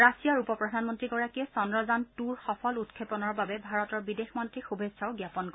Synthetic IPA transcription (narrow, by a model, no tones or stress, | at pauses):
ɹasijaɹupɔpɹɔdʱanmɔntɹiɡɔɹakiɛsɔndɹɔzantuɹxɔpʰɔlutkʰepɔnɔɹbabɛbʱaɹɔtɔɹbidexmɔntɹixubʱesʰaʊɡjapɔnkɔ